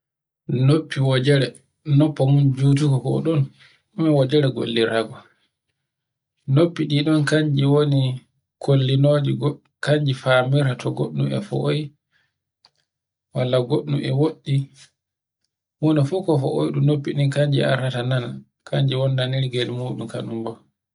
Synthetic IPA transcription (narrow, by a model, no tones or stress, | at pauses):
nopːiwɔd͡ʒɛɾɛ | nɔpːɔmund͡ʒuːt̬ukɔkɔɗɔn | umɛwɔd͡ʒɛɾɛɡo̰lːiɾaɡɔ | nopːiɗiɗɔnkaɲd͡ʒiwoni | kʰolːinod͡ʒi | kaɲd͡ʒifamiɾatɔɡo̰ɗːṵmɛ̰fɔ̰ʔoj | walːaɡoɗːumɛ̰woɗːi | wunifukɔfɔ̰ʔojɗumnopːiɗikaɲd͡ʒḭa̰ɾatanana | kʰaɲd͡ʒiwoninaniɾɡelimuːɗumka̰numbɔ